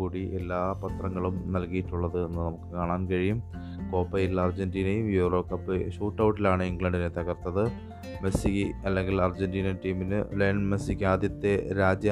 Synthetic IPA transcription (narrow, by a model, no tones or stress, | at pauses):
uːɽiʔelːaːpɐt̪rɐŋːɐɭumnɐlkijiʈːuɭːɐðɨe̞nːɨnɐmukːɨkaːɳaːnkɐɻijum | ko̞ːpːɐjilːɐːrd͡ʑɐndiːnejumjuːro̞ːkːɐpːɨɕuːʈːɐwʈːilaːɳɨiŋɡlɐɳɖinet̪ɐɣɐrt̪ːɐðɨ | mesiɣiɐlːe̞ŋɡilɐrd͡ʑendiːnɐʈiːminɨ̰leːɳɖmesikːaːd̪jɐt̪ːe̞ɾaːd͡ʑjɐ